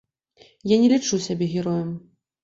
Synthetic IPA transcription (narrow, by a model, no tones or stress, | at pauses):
janʲɛlʲit͡ʂusʲabʲɛɣʲɛɾɔjɐm